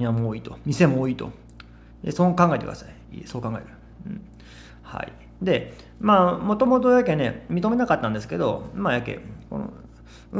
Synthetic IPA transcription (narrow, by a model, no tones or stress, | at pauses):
ĩamoːiːt̪omʲise̞moːiːt̪o̞̰ | esoːkãŋɡaet̪ek̟d̪a̰saḭso̞ːkãŋɡaeɾɯ̟ | ɯ̰̃ | ha̰ḭ | d̪e̞ | maːmo̞t̪o̞mot̪ojak̬ene̞mʲit̪o̞me̞nakat̪ːãnd̪e̞sɨ̥ke̞d̪o̞̰majakːḛko̞̰no̰